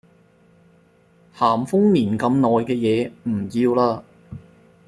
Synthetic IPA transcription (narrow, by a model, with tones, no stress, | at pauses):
haː˨˩mfʊ˥ŋniː˨˩nkɐ˧mnɔː˨jkɛː˧jɛː˨˧m̩˨˩jiː˧wlaː˧